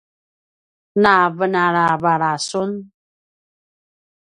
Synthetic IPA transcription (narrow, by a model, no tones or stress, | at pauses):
naβənaɾaβaɾasun